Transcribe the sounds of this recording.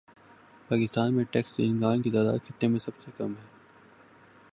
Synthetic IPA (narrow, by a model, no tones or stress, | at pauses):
paːkɪst̪aːnmẽʈɛːksdḭːnɡãːnkit̪aːd̪a̰ːd̪̚kʰɪt̪ːemẽsɐbsekɐmɦɛː